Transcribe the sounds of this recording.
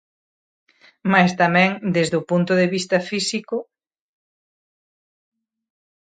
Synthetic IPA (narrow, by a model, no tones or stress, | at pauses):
majst̪amɛ̃ŋd̪ezðopunt̪ʊðeβist̪ɐfisikʊ